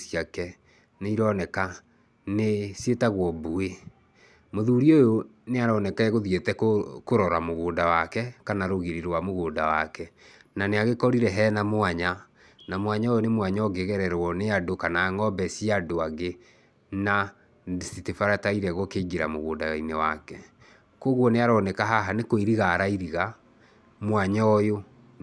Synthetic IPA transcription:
siakɛ | neiɾɔnɛka | nesjetaɣwɔbue | moðuːɾiojo | neaɾɔnɛkaɛɣoðietɛkokoɾɔɾamoɣoːndawakɛkanaɾoɣeɾeɾwamoɣoːndawakɛnaneaɣekɔɾiɾɛɦɛnamwaɲa | namwaɲaojonemwaɲɔɡeɣɛɾɛɾwɔneadokanaːŋɔbɛsiadoaɡe | na | sitefaɾataiɾɛɣɔkeɡeɾamoɣoːndaainɛwa̰kɛ | koɣwɔneaɾɔnɛkaɦaɦanekoiɾiɣaɾaiɾiɣa | mwaɲɔɔjo

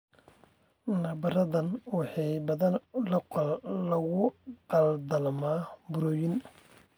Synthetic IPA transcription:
nɐbɐɾɐðɐnwɑħɑjbɐðɐnlɐlɐɣʊqɑld̪ɐlmaːbʊɾɔːjɪn

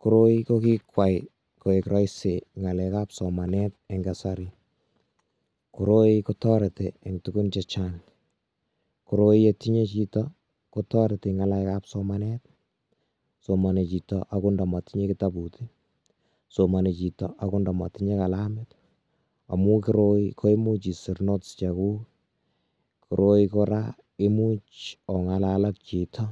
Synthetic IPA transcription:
kuɾoikokikwaj | koekɾɔjseŋalɛkapsɔmanɛt̚ɛŋɡasaɾi | kuɾoikotɔɾeteeŋtukunt͡ʃɛt͡ʃan | kuɾojetiɲet͡ʃitɔ | kotɔɾeteŋalajkapsɔmanɛt̚ | somanet͡ʃitɔʔakundɔmɔtiɲekitaputi | somanet͡ʃitɔ̰ʔakundɔmɔ̰tiɲekalamɪt | a̰mukiɾoikʰoimut͡ʃisiɾnott͡ʃɛku | kʰuɾʔoikoɾa | ɪmut͡ʃɔŋalalak̚t͡ʃitʰɔ

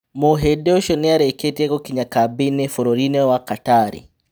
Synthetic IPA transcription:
moɦɛdɛɔʃɔnɛaɾɛkɛtiakɔkiɲakabinɛfɔɾɔɾinɛwakataːɾḭ

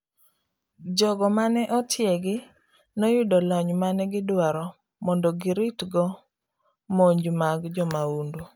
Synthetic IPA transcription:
d͡ʒɔɡɔmanɛʔɔtʰjɛɡɪ | nɔjudɔlɔɲmanɛɡɪdwaɾɔ | mɔndɔɡɪɾitɡɔ | moɲd͡ʒmaɡd͡ʒɔmaundu

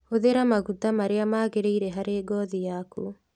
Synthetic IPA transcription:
oðeɾamaɣutamaɾeamaːɣeɾeiɾɛɦaɾeːɡɔðijaku

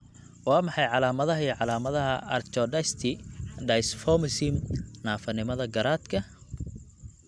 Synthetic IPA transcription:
wɑːmɑħɑjʕɑlaːmɐðɐɦiʕɑlaːmɐðɐɦɐʔɐ̰rt͡ʃɔɖɐst̪ʰɪɖɐjsfɔmɪsɪmnaːfɐnɪmɐðɐɡɐɾaːd̪kʰɐ

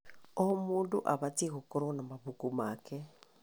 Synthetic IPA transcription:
omoːndoʔaβateɣokoɾonamaβukumaːkɛ

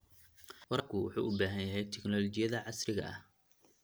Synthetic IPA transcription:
wɐɾɐkʰʊwʊ̰ħṵːʔʊbaːɦɐnjɐɦɛjt̪ʰɪknɔlɔt͡ʃɪjɐðɐʕɑsrɪɣɐ̰ʔɐ̰h

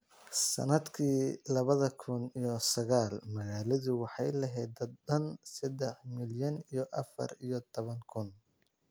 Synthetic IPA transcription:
sɐ̰nɐd̪kʰiːlɐβɐðɐkʰʊnijɔsɐɣaːlmɐɣaːlɐðʊwɑħɑjlɐɦɛjd̪ɐɐnsɐd̪ɛħmɪljɐnijɔʔɐfɐ̰ɾijɔt̪ʰɔβɐŋkʰʊn

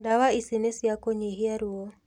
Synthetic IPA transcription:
dawaisinesiakoɲeɦiaɾuo

